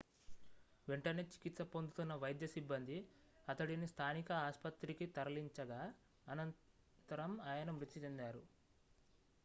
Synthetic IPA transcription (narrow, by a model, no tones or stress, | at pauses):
ʋeɳʈɐneːt͡ʃi̥kit̪sɐpo̞nd̪ut̪unːɐʋɐjd̪jɐsibːɐnd̪ʱi | ɐt̪ɐɽinist̪ʰaːnikɐaːspɐt̪ɾikit̪ɐɾɐliɲt͡ʃɐɡaː | ɐnɐn | t̪ɐɾɐmaːjɐnɐmɾut̪ːit͡ʃend̪aːɾu